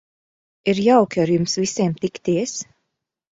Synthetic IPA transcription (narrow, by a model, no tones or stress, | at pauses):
iɾjawkʲaɾjumsviseːmt̪ikt̪iɛs